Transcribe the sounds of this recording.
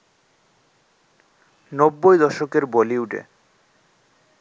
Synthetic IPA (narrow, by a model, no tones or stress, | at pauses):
nobːojd̪ɔʃokeɾboliuɖḛ